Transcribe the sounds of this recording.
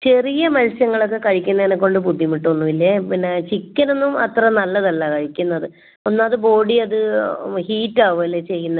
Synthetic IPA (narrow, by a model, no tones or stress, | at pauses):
t͡ɕe̞rijɐmɐlsjɐŋːɐɭo̞kːe̞kɐɻikʲːunːɐinɐkːo̞ɳɖɨpud̪ʱːimiʈːuɐnːuʋilːɐpinːet͡ɕikʲːɐno̞nːumɐt̪rɐnɐlːɐðɐlːɐkɐɻikʲːunːɐðɨ | onːaːðɨbo̞ːɽiɐðɨhiːtːaːʋoːlet͡ɕe̞jːunːɐ